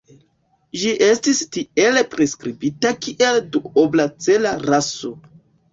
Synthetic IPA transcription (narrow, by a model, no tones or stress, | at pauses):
ʒiʔe̞stistie̞lepɾeskɾibitakiʔe̞lduoblat͡se̞laɾaso̞